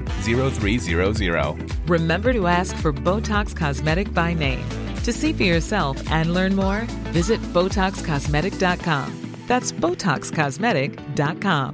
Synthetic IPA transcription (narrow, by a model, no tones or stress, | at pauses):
ziɹoʊθɹiziɹoʊzɪɹo̰ʊ | ɹɨmɛ̃mbə˞ɾəæskfə˞boʊtʰɑkskʰɑzmɛɾɨk̚b̥aɪnẽɪ̃m | tʰɨsifə˞jə˞sɛlˠfʔɨ̃nlɜ̃˞nmɔɹvɪzɨt̚b̥oʊtʰɑkskʰɑzmɛɾɨk̚d̥ɑt̚kʰɑ̰̃m | ðætsb̥oʊtʰɑ̰kskʰɑzmɛɾɪk | d̥ɑt̚kʰɑ̃m